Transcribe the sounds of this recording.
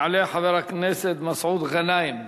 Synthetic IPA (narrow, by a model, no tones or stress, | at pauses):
ʕaleːħaðɪɾˤɑkneːsɪd̪mɑsʕuːd̪ɣanaːjɪm